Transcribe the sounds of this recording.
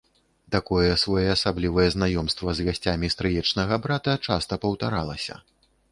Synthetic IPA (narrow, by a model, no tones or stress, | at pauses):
t̪akɔjɛːsvɔjɛːsablʲivɐjɛznajɔmst̪vɐzɣasʲt͡sʲamʲist̪ɾɨjɛt͡ʂnɐɣɐbɾat̪ɐt͡ʂast̪ɐpɐwt̪aɾalˠɐsʲɐ̰